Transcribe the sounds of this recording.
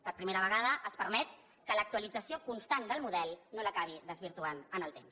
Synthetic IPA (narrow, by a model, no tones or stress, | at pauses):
pəɾpɾimeɾəβ̞əɣaðəʔəspəɾmɛt̪̚ | kələk̚t̪uəlid͡zəsiokunst̪and̪əlˠmuðɛlˠnoləkaβ̞iðəzβiɾt̪uanənəlˠt̪ems